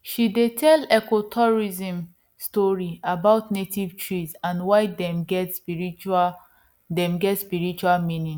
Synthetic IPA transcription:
ʃidetʰɛlɛkotʰɔɹizĩm | stɔɹiabaʊtnetivtʰɹisãnwaɪdɛmɡɛtspiɹit͡ʃa | dɛ̃mɡɛtspiɹit͡ʃualmĩnĩŋ

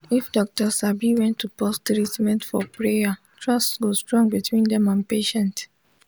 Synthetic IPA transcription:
ifdɔk̚təsabiwɛ̃ntʰːupɔstɹitmɛ̃ntfɔpɹeja | tʰɹɔstɡostɹɔ̃ŋbitʰwĩndɛ̃mãnpeʃɛ̃nt

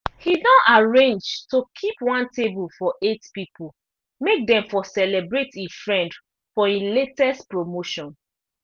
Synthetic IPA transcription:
hidɔ̃ʔaɹẽnd͡ʒtokʰipwãntebulfɔʔetpipu | mek̚dɛ̃mfɔsɛlɛbɹetifɹɛ̃nd | fɔĩletɛstpɹomoʃɔ̃n

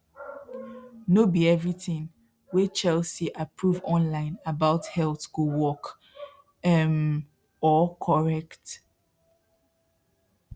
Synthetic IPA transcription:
nobiɛvɹiθĩŋ | wit͡ʃɛlsiʔapʰɹuvɔ̃nlãɪ̃nabaʊthɛltkuwɔk | ɛm | ɔkʰɔɹɛkt

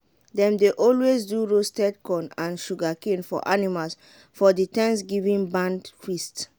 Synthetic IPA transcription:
dɛ̃mdeʔɔlwesduɹostɛdkɔ̃nãnʃuɡakẽnfɔ̰ʔanimals | fɔditɛ̃nsɡivĩnbãndfist

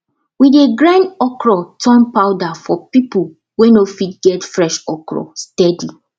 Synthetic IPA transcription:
wideɡɹãnɔkɹɔtʰɔ̃npaʊdafɔpipu | wenofitɡɛtfɹɛʃɔkɹɔ̰stɛdi

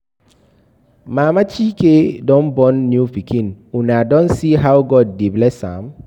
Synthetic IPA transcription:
mãːmat͡ʃʰikedɔ̃nbɔ̃nːjufikʰĩnunadɔ̃nsiɦawɡɔd̚ːiblɛsã̰m

